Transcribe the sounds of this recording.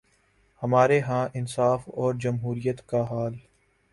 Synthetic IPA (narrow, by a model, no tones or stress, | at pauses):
hɐmaːɾeɦãːʔɪnsaːfɔːɾd͡ʒɐmɦuːɾijət̪kaɦaːl